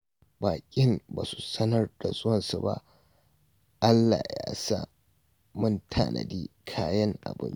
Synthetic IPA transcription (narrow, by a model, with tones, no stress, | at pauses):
baː˨kʲʼɪ˦mbaː˨su̥˨sɐ˦nɐ˦rda˨zʊ˦wɐ˨nsu˨ba̰˦ʔ | ʔa˦lːa˨jaː˦sa˦ | mʊ˦ntʰaː˦˨nʔɐ̰˨diː˦kʰaː˦jɐ˦ŋʔa̰˨bɪ̰˦n